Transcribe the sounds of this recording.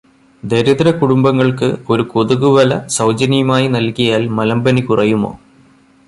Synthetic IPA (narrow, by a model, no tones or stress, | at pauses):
d̪eɾɐðɾɐkuɽumbɐŋːɐɭkɨo̞ɾukoðuɣuʋɐlɐsɐwd͡ʑɐnijɐmaːjinɐlkijaːlmɐlɐmbɐnikurɐjumo̰ː